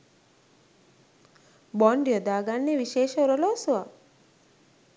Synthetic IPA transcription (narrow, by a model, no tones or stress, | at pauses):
bɔɳɖijod̪aːɡanːeʋiʃeːʃəoɾolosuʋa